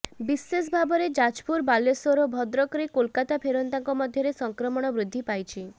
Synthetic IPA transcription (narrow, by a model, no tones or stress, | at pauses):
bises̬bʱabɔɾed͡ʒad͡ʒpuɾbalesoɾɔbʱɔd̪ɾɔkɔɾekolkat̪apʰeɾɔnt̪aŋkɔmɔd̪ʱjɔɾesɔŋkɾɔmɔɽ̃ɔbɾud̪ʱːipajt͡ʃʰi